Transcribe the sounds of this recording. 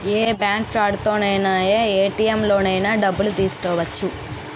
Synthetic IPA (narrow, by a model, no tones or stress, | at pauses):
eːbaːŋkʈɾaːɖt̪oːnɐjnaːjeːeːʈiːemlo̞ːnɐjnaːɖɐbːulut̪iːsu̥kɛːʋɐt͡ʃːu